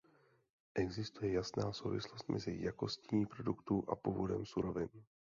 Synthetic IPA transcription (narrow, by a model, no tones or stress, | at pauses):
ʔɛɡzɪst̪ujɛjasnaːso̞wvɪ̰slo̞st̪̚mʔɛ̰zɪ̰jako̞scɲiːpɾo̞dukt̪uʔa̰puːvo̞dɛmsuɾo̞vɪn